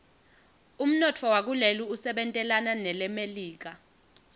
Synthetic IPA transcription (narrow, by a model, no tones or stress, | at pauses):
um̩nɔtʰɔwak̬uleluusɛɓɛntʼɛlananɛlɛmeliːk̬a